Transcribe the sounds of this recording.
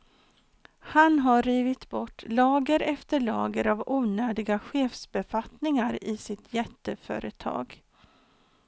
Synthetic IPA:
hanɦaɾiːvɪt̪bɔʈːlɑːɡəɾɛft̪əɭɑ̰ːɡəɾavuːnøːd̪ɪɡaɧeːfsbɛfat̪nɪŋaɾɪsɪt̪jɛt̪ːəfœ̰ːɾət̪ʰɑ̰ːɡ

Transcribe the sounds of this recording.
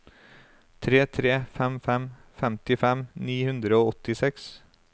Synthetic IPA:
t̪ʰɾeːt̪ʰɾeːfɛmfɛmfɛmt̪ɪfɛmniːhʉnd̪ɾəoːɔt̪ɪsɛks

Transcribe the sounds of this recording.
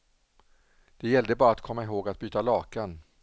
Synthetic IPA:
d̪̥ɛjɛlːd̪əbɑːɾat̪kʰɔmːaɪɦoːɡat̪̚byːt̪alɑːkan

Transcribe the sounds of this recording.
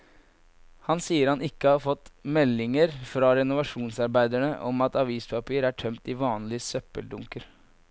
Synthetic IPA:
hɑnsiːəɾhɑnɪkːəhɑɾfɔt̪mɛlːɪŋəɾfɾɑɾɛnʊʋɑʂuːnsɑɾbæɪd̪æɳəʔɔmɑt̪ɑʋiːspʰɑpiːəɾæʈʰœmt̪ɪʋɑːnlɪsœpəld̪ʊŋkəɾ

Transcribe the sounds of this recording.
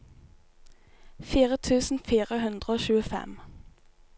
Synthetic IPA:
fiːʁət̪ʰʉːsn̩fiːʁəhʉnd̪ʁəoːʃʉːəfɛ̰m

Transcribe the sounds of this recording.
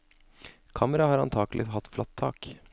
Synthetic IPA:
kʰɑːməɾɑhɑːɾɑnt̪ʰɑːɡlʔɪɦɑt̪ːflɑt̪ʰːɑ̰ːk

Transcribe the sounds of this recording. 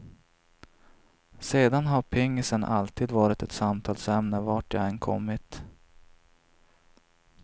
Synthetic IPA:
seːd̪anɦaɾpʰɛŋːɪsənʔa̰lt̪ʰiːd̪vɑːɾɪt̪ɛt̪samt̪ʰɑːlsɛmnəvaʈjɑ̰ɛnkʰɔ̰mːɪt̪

